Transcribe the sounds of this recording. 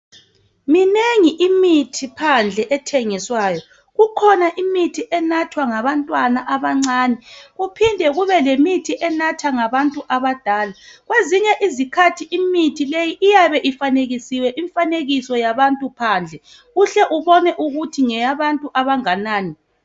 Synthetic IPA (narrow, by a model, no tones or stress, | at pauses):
mineŋiʔimitʰipʰand͡ɮʱɛʔɛtʰɛŋiswaːjɔ | ɣukʰɔnaʔimitʰiʔɛnatʰwaŋaβantʼwanaʔaβaŋ͡ǀaːnɛɣupʰindʱɛɣuβɛlemitʰiʔɛnatʰaŋaβantʼuʔaβad̥ʱaːlaɣweziɲɛʔizikʰatʰiʔimitʰilejiʔijaβɛʔifaneɣisiwɛʔiɱfaneɣisɔjaβantʼupʰaːnd͡ɮʱɛ | ɣuɬɛʔuβɔnɛʔuɣutʰiŋɛjaβantʼuʔaβaŋanaːni